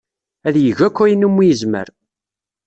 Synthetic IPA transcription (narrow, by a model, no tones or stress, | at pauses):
æðjəʝækʷːæinumːijəzmə̰ɾ